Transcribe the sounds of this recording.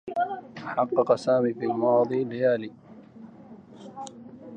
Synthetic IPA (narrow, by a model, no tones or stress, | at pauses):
aħɑqːɑqɑsaːmiːfiːalmɑːd̪ˤiːlɪjaːliː